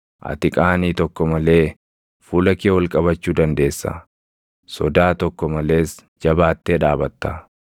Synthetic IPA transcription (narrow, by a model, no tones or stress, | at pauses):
ʔɐ̰t̪ɪkʼaːniːt̪ɔkːɔmɐle̞ː | fuːlɐkeːwɐlkʼɐbɐt͡ʃːuːd̪ɐnd̪e̞ːsːɐ̰ | sɔd̪aːt̪ɔkːɔmɐle̞ːs | d͡ʒɐbaːt̪ːeːᶑaːbɐt̪ːɐ